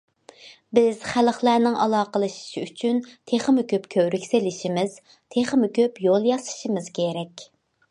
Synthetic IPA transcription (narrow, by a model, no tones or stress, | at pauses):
bɪz̥χæləχlˠæɾnɪŋʔɑlˠɑːqəlˠɨʃi̥ʃiyt͡ʃʰynt̪ʰeχəmɪkʲʰøpkʲʰøwɾykʲselɪʃimɪz̥ | t̪ʰeχmɪkʲøpjolˠjɑsɨ̥ʃimɨz̥kʲʰeɾɛkʲ